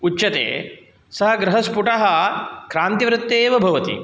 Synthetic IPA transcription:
ut͡ʃːt͡ʃːɐt̪ḛː | sɐɦɐ̆ɡɾɐɦɐspuʈɐɦɐkɾaːnt̪iʋɾɪt̪ːeːʋɐbʱɐʋɐt̪ḭ

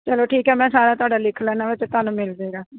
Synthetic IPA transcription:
t͡ʃəloːʈʰiːkɦɛːmɛ̃ːsaːɾaːt̪ʊwaːɖaːlɪkʰlɛːnãːʋɪt͡ʃt̪aːnũːmɪld̪eːɡaː

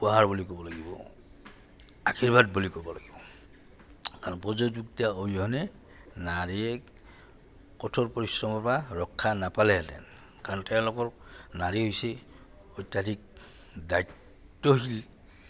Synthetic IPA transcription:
paɦaɹbulikɔbɔlaɡibɔ̰ | akʰiɹbad̚bolikɔbɔlaɡibɔ | kaɹɔnpɔzozuktiaobiɦɔnɛ | naɹiɛ | kɔtʰɔɹpɔɹisɹɔmɔpaɹɔkʰːanapalɛtɛ̰n | kaɹɔnɔtɛ̃lɔkɔɹnaɹiɦojsɛ | ɔjtːjadik̚ | dajtː | ɔɦil

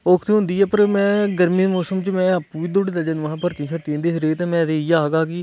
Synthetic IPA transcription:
oːkʰt̪iːɦʊ̃nd̪iːɛːpəɾmɛ̃ːɡəɾmĩːmoːsəmt͡ʃmɛ̃ːəpuːʋiːd̪oɽeːd̪aːd͡ʒeːnũãːpəɾt͡ʃ̪ĩːt͡ʃʰəɾt̪ĩːnd̪eːsɾeːt̪ẽːmɛ̃ːt̪eːiːaːɡaːkɪ

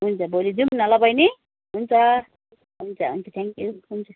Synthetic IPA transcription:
ɦunt͡sʰʌbolid͡zumnʌlʌbʌjni | ɦunt͡sʰʌ | ɦunt͡sʰʌɦṵnt͡sʰʌt̪ʰeŋkjuɦunt͡sʰʌ

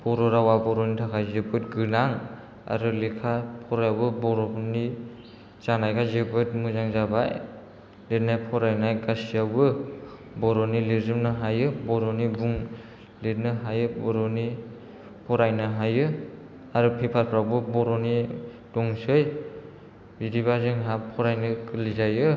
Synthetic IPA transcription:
b̥ɔɾɔɾawabɔɾɔnitʰakʰajzɯbɯt̚ɡɯlaŋ | a̰ɾɯlikʰapʰɔɾabɯbɔɾɔni | t͡ʃanajkʰazɯbɯt̚muzaŋzabaj | letnajpʰɔɾajnajɡasijabɯ | bɔɾɔnilizɯmnɯɦajɯbɔɾɔnibuŋ | lit̚nɯɦajɯbɔɾɔni | pʰɔɾajnɯɦajɯ | aɾupʰipʰaɾpʰɾawbɯbɔɾɔni | dɔŋsɯj | bidiβazɯŋɦapʰɔɾajnɯkɯlizajɯ

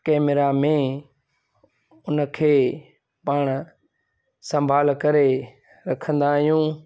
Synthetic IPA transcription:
kɛːmɪɾamẽ | ʊnəkʰeː | paːɽ̃ | sə̃mbʱaːlkɐɾe | ɾɐkʰə̃nd̪aːɦijũː

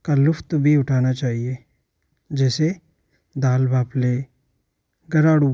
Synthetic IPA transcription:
kalʊft̪bʱiʊʈʰaːnat͡ʃaːɦie | d͡ʒɛːse | d̪aːlbʱaːple | ɡɐɾaːɽu

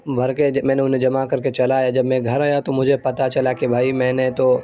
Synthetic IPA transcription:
bʱɐɾkemɛ̃ːneʊnẽd͡ʒɐmakɐɾket͡ʃɐlajad͡ʒɐbmɛ̃ːɡʱɐɾɦaːjat̪omʊd͡ʒʱepɐt̪at͡ʃɐlakebʱaːimɛ̃ːnet̪o

